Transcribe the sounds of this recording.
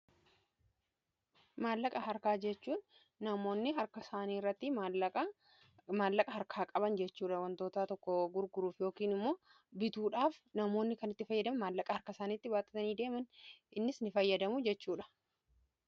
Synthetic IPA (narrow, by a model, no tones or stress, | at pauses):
maːlːɐkʼɐɦɐɾkaːd͡ʒɛt͡ʃːuːnː | ɐmo̞ːnːɪɦɐɾkɐsaːniːɪrːɐt̪ːɪɐ | maːlːɐkʼɐɦɐɾkʰaːkʼɐbɐnd͡ʒɛt͡ʃːuːᶑɐwɐnt̪o̞ːt̪aːt̪ɔkːɔɡʊɾɡʊɾuːfjo̞ːkiːnɪmːo̞ː | bɪt̪uːᶑaːfnɐmo̞ːnːɪkɐnɪt̪ːɪfɐjːɐd̪ɐmɐmaːlːɐkʼɐhɐɾkɐsaːniːt̪ːɪwaːt̪ːɪ̥t̪ɐniːd̪e̞ːmɐnɪnːɪsnɪfɐjːɐd̪ɐmʊd͡ʒɛt͡ʃːuːᶑɐ̥